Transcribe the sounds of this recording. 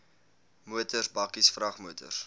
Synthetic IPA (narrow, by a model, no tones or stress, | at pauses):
muətərbɐkisfrɐχmuətə̰r